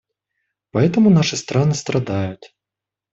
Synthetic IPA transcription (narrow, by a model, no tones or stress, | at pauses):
pɐɛt̪əmʊnaʂɨst̪ɾanɨst̪ɾʔɐd̪ajʊt̪ʲ